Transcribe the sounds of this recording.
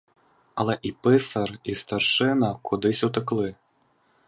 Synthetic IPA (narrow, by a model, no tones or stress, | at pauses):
ɐlˠɛʔipɛsɐrist̪arʂɨnɐkʰud̪ɨsʲut̪ɨklˠɨ